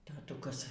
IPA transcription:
tɐˈtʊkɐs

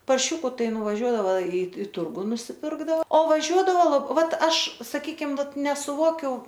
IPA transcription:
pɐrʲˈʃʲʊkʊ ˈtɐɪ nʊʋɐˈʒʲuɔdɐʋɐ ɪ ɪ ˈtʊrɡʊ nʊsʲɪˈpʲɪrɡdɐoː oː ʋɐˈʒʲuɔdɐʋoː ˈʋɐt ˈɐʃ sɐˈkʲiːkʲɪm ˈʋɐt nʲɛsʊˈʋoːkʲʊ

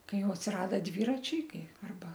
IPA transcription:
ˈkɐɪ ˈjɛʊ ɐtʲsʲɪˈrɑːdɐ ˈdʲʋʲiːrɐt͡ʃʲɛɪ ˈkɐɪ ɐrˈbɐ

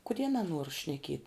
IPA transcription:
kʊˈdʲiɛ nɐˈnuɔr ʃʲnʲɛˈkʲiɛtʲ

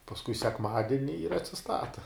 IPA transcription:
pɐsˈkʊɪ sʲɛkˈmɑːdʲɪnʲɪ ɪr ɐtʲsʲɪˈstɑːtɐ

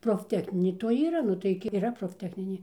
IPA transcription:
proːfʲˈtʲæːxʲnʲɪnʲeː toːj ˈiːrɐ ˈnʊ tɐɪ ɡʲɪ iːˈrɐ proːfʲˈtʲæːxʲnʲɪnʲeː

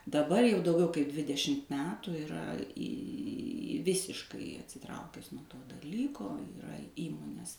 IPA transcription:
dɐˈbɐr jɛʊ dɐʊˈɡʲɛʊ kɐɪ ˈdʲʋʲɪdʲɛʃʲɪmt ˈmʲæːtuː ɪˈrɐ iː ˈʋʲɪsʲɪʃkɐɪ ɐtʲsʲɪˈtrɐʊkʲɛs nuɔ ˈtoː dɐˈlʲiːkoː ɪˈrɐ ˈiːmoːnʲeːs

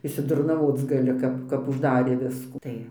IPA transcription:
ɪʃʲsʲɪdʊrnɐˈʋoːt͡s ɡɐˈlʲɪ ˈkɐp kɐp ʊʒˈdɑːrʲeː ˈʋʲɪskuː ˈtɐɪ

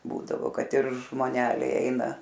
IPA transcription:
ˈbuːdɐʋoː ˈkɐt ɪr ʒmoːˈnʲæːlʲɛɪ ˈɛɪnɐ

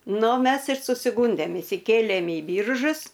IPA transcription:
ˈnʊ ˈmʲɛs ɪr sʊsʲɪˈɡuːnʲdʲeːm ɪʃʲsʲɪˈkʲeːlʲeːm iː ˈbʲiːrʒʊs

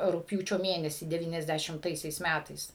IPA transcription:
rʊkpʲˈjuːt͡ʃʲoː ˈmʲeːnʲɛsʲiː dʲɛˌʋʲiːnʲɛzʲˌdʲæʃʲɪmˈtɐɪsʲɛɪs ˈmʲætɐɪs

